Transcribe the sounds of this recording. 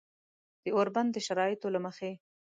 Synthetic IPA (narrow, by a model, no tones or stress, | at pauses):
d̪̥əoɾband̪d̪əʃaɾɑjɪt̪olaməxe